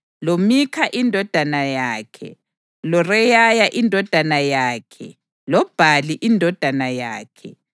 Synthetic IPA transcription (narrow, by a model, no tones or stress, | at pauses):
lomikʰaʔindʱɔd̥ʱanajaːkʰɛ̰ | lɔrɛjajaʔindʱɔd̥ʱanajaːkʰɛ̰ | lɔb̥ʱaliʔindʱɔd̥ʱanaja̰ːkʰɛ